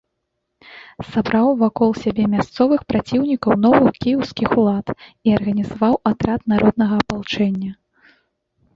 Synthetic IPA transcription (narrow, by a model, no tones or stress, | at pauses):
sabɾawvakɔlˠsʲabʲɛmʲast̪sɔvɨxpɾat͡sʲiwnʲikɐwnɔvɨxkʲijɛwskʲixulˠat̪iɐrɣɐnʲizavawʔat̪ɾat̪naɾʔɔd̪nɐɣɐːpalˠt͡ʂɛnʲːɐ